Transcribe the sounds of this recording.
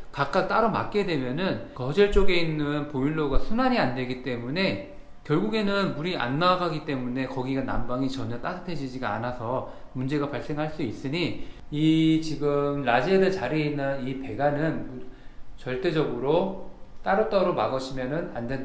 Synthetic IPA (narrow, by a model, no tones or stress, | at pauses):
kak̚k͈ak̚t͈aɾoma̰k̚k͈e̞dwe̞mjʌnɯnkʌd͡ʑʌɭt͡ɕ͈oɡe̞inːɯnpoiɭːoɡasʰunaɲiandwe̞ɡit͈e̞mune̞ | kjʌɭɡuɡe̞nɯnmuɾiʔa̰nːaaɡaɡit͈e̞mune̞kʌɡiɡana̰mbaŋit͡ɕʌɲʌt͈asʰɯ̥pʰe̞d͡ʑid͡ʑiɡaa̰nasʰʌ | mund͡ʑe̞ɡapaɭs͈e̞ŋɦaɭs͈uis͈ɯɲi | it͡ɕiɡɯmɾad͡ʑiedɯt͡ɕaɾeinːɯnipe̞ɡanɯnut͡ɕʌɭt͈e̞d͡ʑʌɡɯɾot͈aɾot͈aɾoma̰ɡʌɕʰimjʌnɯnandwe̞nda